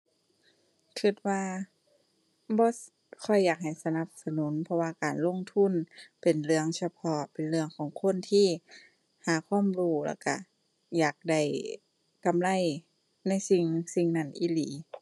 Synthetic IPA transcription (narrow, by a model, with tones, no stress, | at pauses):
kʰɯ˧˩t̪̚waː˧ | bɔː˧˦ | kʰɔ˧˩jːaː˨˩k̚ha˨˩jsa˧na˧p̚sa˧nu˨˦npʰɔ˧waː˧kaː˨˩nlo˧˥˨ŋt̪ʰu˧˥˨npe˨˩nlɯ˧əŋsa˧pʰɔ˧pe˨nlɯ˧əŋkʰɔː˨˦ŋkʰo˧˥˨nt̪ʰiː˧˩ | haː˨˦kʰwaː˧˥˨mɾuː˧˩lɛ̰ː˧˩wka̰˧˩ | jaː˨˩k̚da˧˩j | ka˨mla˧˥˨j | na˧˥˨jsi˧ŋsi˧ŋna˧˩˨nʔḭː˧˩˨liː˨˦